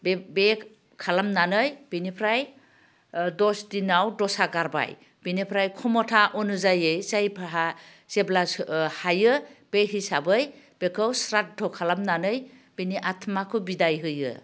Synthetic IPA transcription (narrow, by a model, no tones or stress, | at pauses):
bbe | kʰalamnanɯjb̥inipʰɾaj | dɔsdinawdɔsaɡaɾba̰j | binipʰɾajkʰɔmɔtʰaʔɔnɯzajɯjzajpʰɦa | zeblahajɯb̥eɦisabɯj | b̥ekʰɯwsɾat̚dɔkʰalamnanɯjb̥iniʔatʰmakʰɯbidajɦɯjɯ̰